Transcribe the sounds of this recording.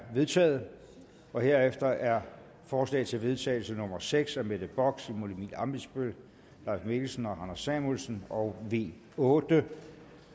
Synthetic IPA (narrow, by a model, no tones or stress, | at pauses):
ʋe̝ðˠt͡sʰɛ̰ːð̞̩ˠ | ʔɒ̽he̝ɐefd̥ɐʔæɐ | fɒːslɛ̰ːt͡sʰe̝lʋe̝ð̞ˠt͡sʰɛ̰ːɪl̩sənɔ̽mɐseɡ̥sæmed̥əb̥ɒ̽ɡ̥simolimid̥ɑmb̥isb̥øl | lɑ̈ːsme̝ɡ̥l̩sən̩ɒ̽ɦænɐsæmulsənɒ̽ʊʋe̝̰ː | ɔːd̥ə